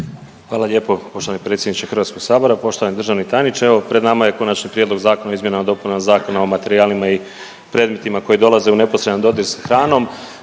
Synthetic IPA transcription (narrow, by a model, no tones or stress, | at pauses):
xʋaːlaʎe̞ːpo̞po̞ʃt̪oʋanipɾe̞ːt̪sʲjenit͡ɕexr̩ʋaːt̪sko̞ɡ̥saːbo̞ɾapo̞ʃt̪oʋanid̪ɾr̩ʒaʋnit̪anit͡ʃe̞ʋo̞pɾe̞d̪namaje̞ko̞nat͡ʃnipɾjed̪lo̞ɡzaːkonaizmjenamad̪o̞punanazaːko̞naomat̪e̞ɾiaːlimai | pɾe̞ːd̪me̞t̪imako̞jid̪o̞lˠaze̞une̞posɾe̞d̪and̪o̞d̪iɾsḁxɾaːno̞m